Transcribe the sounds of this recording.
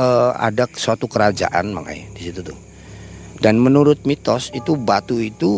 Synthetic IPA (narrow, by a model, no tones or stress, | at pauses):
əa̰dasuat̪ukəɾad͡ʒa̰ʔa̰nma̰ŋa̰j̰disit̪ut̪u | danmənuɾʊt̪̚mit̪ɔsit̪ubat̪uit̪u